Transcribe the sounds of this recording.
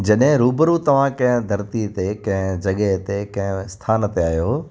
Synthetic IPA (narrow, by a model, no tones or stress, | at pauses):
d͡ʑɐɗɦɪ̃ɾuːbəɾut̪ɐʋ̤ãkɐ̃ɦɪ̃d̪ʱɐɾt̪it̪ekɐ̃ɦɪ̃d͡ʑɐɠəɦt̪ekɐ̃ɦɪ̃st̪ʰaːnət̪eaːijoː